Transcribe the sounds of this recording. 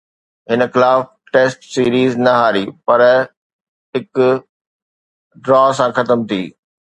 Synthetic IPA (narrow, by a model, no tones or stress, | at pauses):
ɦɪnə̆xɪlaːf | ʈeːsʈsiːɾiːznɐɦaːɾiːpɐɾ | ɦɪkʊ | ɖɾɔːs̬ãxɐt̪əmt̪ʰiː